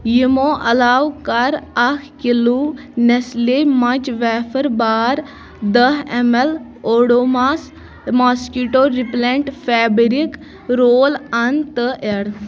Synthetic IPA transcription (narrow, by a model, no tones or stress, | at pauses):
jimoʔɐlaːwkɐɾɐkʰkilu | neslemɐt͡ʃʋɛːfəɾbaːɾ | d̪əɦemel | oːɽoːmas | maːskuʈoːɾipleɳʈfʰɛːbɾik | ɾoːlɐnt̪əʔeɽ